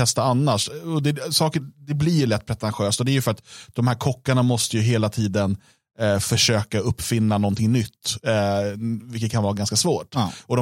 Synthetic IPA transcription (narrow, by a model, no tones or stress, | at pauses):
ɛst̪aanːaʂɔd̪ɛsɑːkəd̪ɛblɪɾjɭɛt̪ːpʰɾɛt̪ʰanɧøːst̪ɔd̪ɛæɾjɵfœɾat̪d̪̥ɔmhæːɾkʰɔkːaɳamɔst̪əjɵɦeːlat̪ʰiːd̪ən | fœʂøːkaɵpːfɪnːanɔnt̪ʰɪŋnʏt̪ː | vɪlkːət̪̚kʰanvɑːɾaɡanskasvoːʈɔd̪ɔ